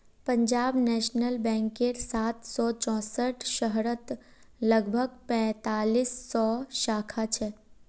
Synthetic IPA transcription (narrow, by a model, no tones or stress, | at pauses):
pə̃ɲd͡ʒaːbnɛːʃnəlbɛ̃ːŋkeɾsaːt̪sɔt͡ʃɔ̃ːsəʈʰʃəɦɾət̪ | ləɡbʱəɡpɛ̃ːt̪aːliːsːɔʃaːkʰat͡ʃʰɛ